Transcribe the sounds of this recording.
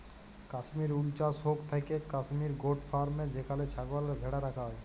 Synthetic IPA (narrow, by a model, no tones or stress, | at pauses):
kaʃmiɾult͡ɕaʃɦokt̪ʰakekaʃmiɾɡoʈfaɾmed͡ʑekʰalet͡ɕʰaɡoalaɾɡʱɛɽaɾakʰaɦɔe